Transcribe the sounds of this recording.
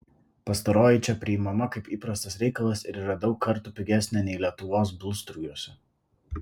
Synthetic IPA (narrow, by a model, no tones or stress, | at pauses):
pɐst̪ɐɾoːjɪt͡ʃʲɛpʲɾʲɪɪmɐmɐkɐɪpiːpɾɐst̪ɐsɾʲɛɪkɐlˠɐsɪɾiːɾɐd̪ɒʊkːɐɾˑt̪upʲɪɡʲæsʲnʲɛnʲɛɪlʲiɛt̪ʊʋoːs̬bʲʊlˠʲst̪ɾujuɔsʲɛ